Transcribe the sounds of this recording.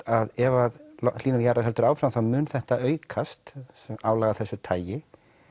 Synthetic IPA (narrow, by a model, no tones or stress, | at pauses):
aðɛvaðlɔliːnaɾjaɾaɾ̥ɦɛlt̪ʏɾaːwfɾamθamʏːnθɛht̪aʔœːɥkʰast̪sɛmaːwlaːɣaθɛsːʏt̪ʰaːjɪ